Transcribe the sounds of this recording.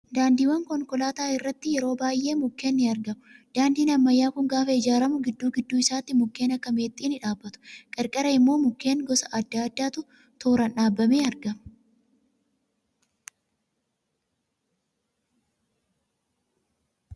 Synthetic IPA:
d̪aːnd̪iːwɐŋkɔŋkɔlaːt̪aːɪrːɐt̪ːɪjɛɾo̞ːbaːjʔːe̞ːmʊkːe̞ːnːɪɐɾɡɐmʊd̪̥aːnd̪iːnɐmːɐjːaːkʊŋɡaːfɐɪd͡ʒaːɾɐmʊɡɪd̪ːuːɡɪd̪ːuːɪsaːt̪ːɪmʊkːe̞ːnɐkːɐme̞ːt̪ʼːiːnɪᶑaːbːɐt̪ʊ̥kʼɛɾkʼɛɾɐɪmːo̞ːmʊkːe̞ːŋɡɔsɐʔɐd̪ːaːɐd̪ːaːt̪ʊ | t̪oːɾɐnᶑaːbːɐme̞ːɐɾɡɐmɐ

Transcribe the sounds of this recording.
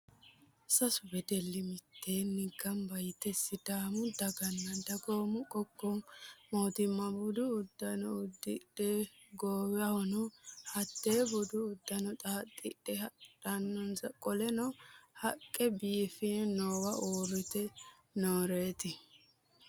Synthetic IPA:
sɐsʊbɛd̪ɛlːɪmɪt̪ʰːeːnɪɡːɐmbɐjt̪ɛsːɪd̪aːmʊd̪ɐɡɐnːɐd̪ɐɡoːmʊkʼɔkːɔmoːt̪ɪmːɐbʊd̪ʊːd̪ːɐnɔʊd̪ːɪɗe | ɡoːwɛɐhɔnɔhɐt̪ːeːbʊd̪ʊʊd̪ːɐnɔt̪ʼaːt̪ʼːɪɗɛhɐᶑɐnːɔnsɐkʼɔlɛnɔhɐkʼːɛbiːfɪnnoːwɐʔoːɾʊt̪ɛ | noːɾeːt̪ɪ

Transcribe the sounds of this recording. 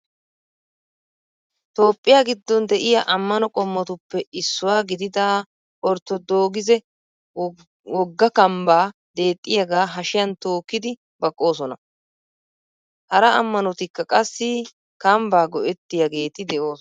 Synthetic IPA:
t̪o̞ːpʼːɪjaːɡɪd̪ːɔnd̪ɛʔɪjɐʔɐmːɐnɔkʼɔmːɔt̪ʊpːɛɪsːʊwaːɡɪd̪ɪd̪aː | ʔɔɾt̪ːɔd̪o̞ːɡɪzɛ | wɔɡːɐkɐmbaːd̪e̞ːt̪ʼːɪjɐɡaːɦɐʃɪjɐnt̪o̞ːkːɪd̪ɪ | bɐkʼːo̞ːsɔnɐ | hɐɾɐɐmːɐnɔt̪ɪkːɐkʼɐsːɪ | kɐmbaːɡɔʔɛt̪ːɪjɐɡe̞ːt̪ɪd̪ɛʔo̞ːs

